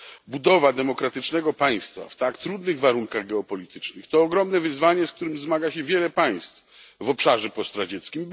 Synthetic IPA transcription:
bud̪ɔvad̪ɛmɔkɾat̪ɘt͡ʂnɛɡɔpaj̃st̪fa̰ft̪akt̪ɾud̪nɘɣvaɾuŋkaɣɡɛɔpɔlʲit̪ɘt͡ʂnɘxt̪ɔːɡɾɔmnɛvɘzvaɲɛsk̚t̪uɾɘmzmaɡaɕɛvʲjɛlɛpaj̃st̪fvɔpʂaʐɛpɔst̪ɾad͡ʑɛt̪skʲim

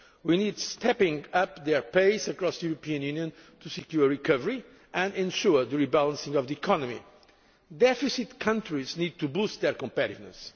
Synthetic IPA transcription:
winidstʰɛpɪ̃ŋʌpðɛɹpeɪsɨkɹɔsðəuɾəpiɨ̃njʉnjɨ̃ntʰusɨkjuɹɹikʰʌvəɹi | ʔɨ̃nɛ̃nʃuɹðəɹibælˠə̃nsɪ̃ŋɔvðiikʰɔnɨmḭ | d̪ɛfɨsit̪kʰʌ̃ntɹiznid̪̚t̪ʰubust̪̚ðɛɹkə̃mpɛɾivnɨ̰s

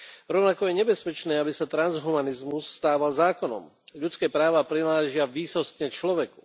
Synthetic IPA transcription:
ɾɔʊnakɔjɛɲɛbɛspɛt͡ʃnɛːabisat̪ɾanzɦumanizmusːt̪aːʋalzaːkɔnɔ̰m | ʎut͡skɛːpɾaːʋapɾilaːʒɪaʋiːsɔst̪ɲɛt͡ʃlɔʋɛku

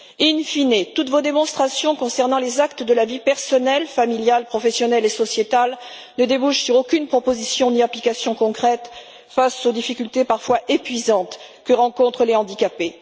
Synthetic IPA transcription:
infinet̪ut̪vod̪emɔ̃st̪χasjɔ̃kɔ̃sɛʁnɑ̃lezakt̪əd̪əlavipɛʁsɔnɛlfamiljalpχɔfɛsjɔnɛlesɔsjet̪al | nəd̪ebuʃsyʁokʲynpχɔpozisjɔ̃niaplikasjɔ̃kɔ̃kχɛt̪ | fasod̪ifikʲylt̪epaʁfwaʔepɥizɑ̃t̪ | kəʁɑ̃kɔ̃t̪χəleɑ̃d̪ikape

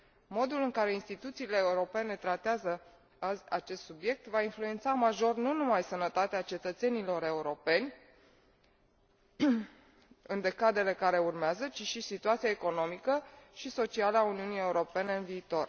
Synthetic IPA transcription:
mo̞d̪ulɨŋkaɾe̞inst̪it̪ut̪siːle̞ːuɾo̞pe̞ne̞t̪ɾat̪eazə | at͡ʃe̞st̪subje̞k̚t̪vainflue̞nt̪samaʒo̞rnunumajsənət̪at̪eat͡ʃe̞t̪ət̪se̞nilo̞ɾe̞uɾo̞pe̞nʲ | ɨnd̪e̞kad̪e̞le̞kaɾe̞urmeazət͡ʃiʃisit̪uat̪siaeko̞no̞mikəʃiso̞t͡ʃialauniunije̞uɾo̞pe̞ne̞ɨnviːt̪o̞r

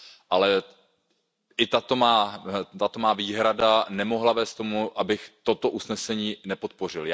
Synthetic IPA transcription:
ʔalɛ | ʔɪt̪at̪o̞maːt̪at̪o̞maːviːɦɾadanɛmo̞ɦlavɛːst̪t̪o̞muʔabɪxt̪o̞t̪o̞ʔusnɛsɛɲiːnɛpo̞t̪̚po̞rɪlj

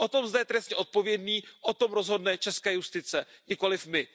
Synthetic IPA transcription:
ʔot̪o̞mzd̪ɛjt̪ɾɛst̪ɲɛʔo̞t̪̚po̞vjɛdniːʔot̪o̞mɾo̞zɦo̞dnɛt͡ʃɛskɛːjust̪ɪt͡sɛɲɪko̞lɪfmɪ

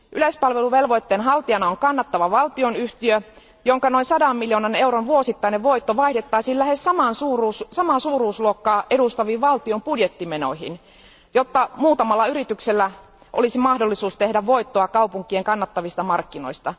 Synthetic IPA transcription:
ʔylespɑlʋeluʋelʋoit̪ːeːnɦɑlt̪iɑnɑoŋkɑnːɑt̪ːɑʋɑʋɑlt̪ionyht̪iø | joŋkɑnoinsɑdɑmːiljoːnɑneuronʋuosit̪ːɑineʋʋoit̪ːoʋɑihdet̪ːɑisiːllæhessɑmɑnsuːruːssɑmɑsuːruːsluokːɑːʔedust̪ɑʋiːʋʋɑlt̪iompudjet̪ːimeno̰ihḭn | jot̪ːɑmuːt̪ɑmɑlːɑyɾit̪ykselːæ | ʔo̰lisimɑhdolːisuːst̪ehdæʋʋo̞it̪ːoɑkɑupuŋkːˑieŋkɑnːɑt̪ːɑʋist̪ɑmɑrkːino̞̰ist̪ɑ

